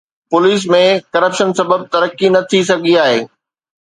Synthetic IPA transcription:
pʊliːs̬mẽkɐɾəpʃənsɐbəb̚t̪ɐɾəkːinɐt̪ʰisɐɡʱiaːɦeː

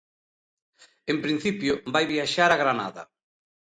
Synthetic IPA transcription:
empɾĩn̟θipjʊbajβiaʃaɾaɣɾana̰ðɐ̰

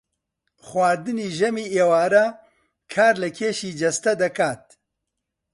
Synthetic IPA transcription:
xwaːd̪ɨniːʒɛmiːeːwaːɾɐ | kʰaːɾlɨkʰeːʃiːd͡ʒɛst̪ɛd̪ɐkaːt̪̚

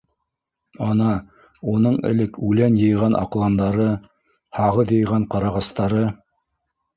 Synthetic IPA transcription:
ɑnɑ | unɤɴɘ̰̆lɘkʉlænjɤ̆jʁɑnʔɑ̰qlˠɑnd̪ɑɾɤ | hɑʁɤðjɤ̆jʁɑɴqɑɾɑʁɑst̪ɑɾɤ

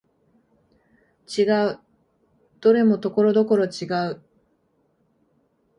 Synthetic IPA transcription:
t͡ɕiɡaɯ̟ | d̪̥o̞ɾe̞mo̞t̪o̞ko̞ɾo̞d̪o̞ko̞ɾo̞t͡ɕiɡaɯ̟

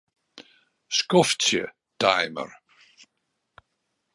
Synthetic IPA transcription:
skɔfsjə̰ | tajmə̰r

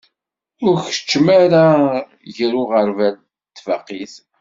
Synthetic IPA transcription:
ʊɾçə̥t͡ʃːmaɾa | ʝəɾʊʁəɾvæl | t̪ːvəqːiθ

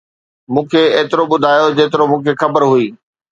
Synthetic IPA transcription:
mũːkʰeeːt̪ɪɾoɓʊd̪ʱaːjod͡ʑeːt̪ɪɾomũːkʰexɐbəɾɦuiː

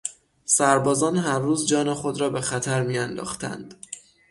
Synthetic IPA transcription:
sæɾbɒːzɒːnɦæɾːuːzd͡ʒɒːnexo̞d̪ɾɒːbe̞xæt̪ʰæɾmijænd̪ɒ̰ːxt̪ʰæ̰nd̪̥

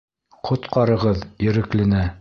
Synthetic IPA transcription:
qʰŏt̪qɑɾɤ̆ʁɤðjɘ̆ɾɘ̆klɘ̆næ

